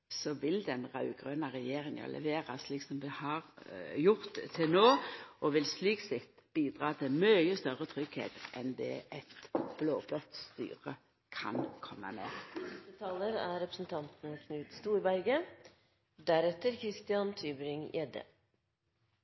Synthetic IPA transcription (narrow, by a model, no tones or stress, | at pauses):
sɔʋɪld̪ɛnʁɑʉɡ̥ʁønɑʁɛjeːʁɪŋɑ̰lʔɛ̰ʋeːʁɑsliːksɔmʋɪhɑʁjʊʁt̪ʰːɪlnoːɔʋɪlsliːksɪt̪ːb̥iːd̪ʁɑːt̪ʰɪmœjəst̪œʁət̪ʰʁʏɡhḛːt̪ʔɛnd̪ɛ̰ʔɛt̪b̥loːblɔt̪st̪y̰ːʁə | kʰɑ̰nkʰɔmːə̰mḛːt̪ət̪ʰɑːləɾæɾɛpɾə̥sn̩t̪ʰɑnt̪n̩kʰnʉːd̪st̪uːɪbæɾɡə | d̪æɾɛt̪ːəɾkʰɾɪst̪ɪɑnt̪ʰyːbəɾɪŋjɛd̪ə̰